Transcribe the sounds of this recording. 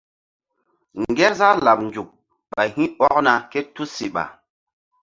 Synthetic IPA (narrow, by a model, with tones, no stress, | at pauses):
ŋɡɛ˦ɾza˦la˨p̚nd͡ʒu˨k̚ | ɓa˨jhĩ˦ɔ˦kna˨ke˦tu˦si˨ɓa̰˨